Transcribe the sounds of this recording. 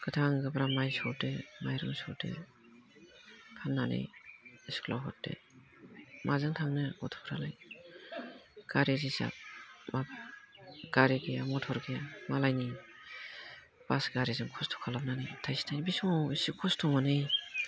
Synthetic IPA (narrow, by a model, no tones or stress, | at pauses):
ɡ̥ɯtʰaŋɡɯbɾamajsɔdemajɾɯŋsɔɾdḛ | kʰanːanɯ̰jskʰlawɦɔt̚dḛ | mʔazɯŋtʰaŋnɯɔtʰɔ̥pʰɾalaj | ɡ̥aɾezisa̰p̚map̚ | ɡ̥aɾiɡeamɔtʰɔɾɡemalajni | b̥asɡaɾizɯŋkʰɔstʰɔ̥kʰalap̚nanɯjtʰajsi̥nʰajnibisɔŋawisikʰɔstʰɔŋanɯj